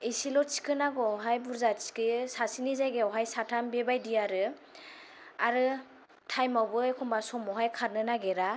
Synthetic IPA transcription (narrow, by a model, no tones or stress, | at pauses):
isilɔt͡ʃi̥kɯnaɡɔɦajbuɾzasi̥kɯsasinizajɡeɔɦajsatʰambebajdijaɾɯ | aɾɯ | tʰajmawbɯekʰɔmbasɔmɔɦajkʰaɾnɯnaɡeɾa